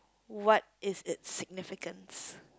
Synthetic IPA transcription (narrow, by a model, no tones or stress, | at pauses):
wɔt̚ɪzɪt̚sɪɡ̚nɪfɪkə̃ns